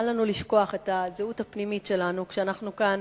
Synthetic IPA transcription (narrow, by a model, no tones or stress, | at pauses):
lanuliʃko̞aχe̞tazeutapnimitʃe̞lanukʃeanaχnukan